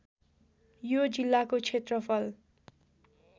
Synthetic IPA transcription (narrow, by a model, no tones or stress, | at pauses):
jod͡zilːakot͡sʰet̪rʌpʰʌl